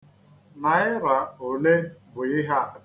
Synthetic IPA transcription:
na˨ɪ˦ɾa˨o˨le˦bʊ˨ɪ˦ɦa˦

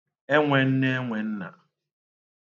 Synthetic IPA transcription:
e˦ŋʷe˨n̩˦ne˦e˦ŋʷe˨n̩˦na̰˨

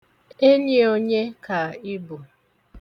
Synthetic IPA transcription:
e˦ni˦o˦ɲe˦ka˨i˦bu˨

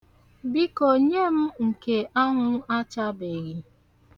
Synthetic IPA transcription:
bi˦ko˨ɲe˦m̩˦ŋ̩˨ke˨ʔa˦ŋʊ˦a˦t͡ʃa˦be˨ɣi˨

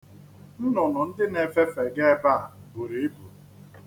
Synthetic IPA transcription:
n̩˦nʊ˨nʊ˨n̩˦dɪ˦ne˨fe˦fe˨ɡe˦ba˦˨bu˨ɾe˨e˦bu˨ɾ

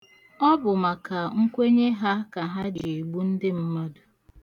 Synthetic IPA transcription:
ɔ˦bʊ˨ma˨ka˨ŋ̩˦kʷe˦ɲe˦ɦa˦ka˨ɦa˦d͡ʒe˨ɡ͡bu˦n̩˦dɪ˦m̩˦ma˦dʊ˨

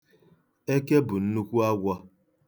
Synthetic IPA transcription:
e˦ke˦bʊ˨n̩˦nu˦kʷu˦a˦ɡʷa˦

